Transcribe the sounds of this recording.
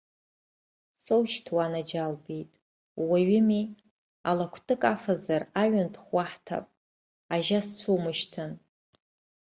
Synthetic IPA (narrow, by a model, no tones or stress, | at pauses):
sowʃtʰwanad͡ʒalbijtʼ | waɥɪmi | alakʷʰtʼɨkʼafazaraɥʊntʰχʷaħtʰa̰pʼ | aʒast͡sʷʰumɨʃtʰɨn